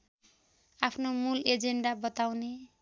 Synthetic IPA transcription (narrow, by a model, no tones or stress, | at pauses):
apʰnomuled͡zeɳɖabʌt̪awne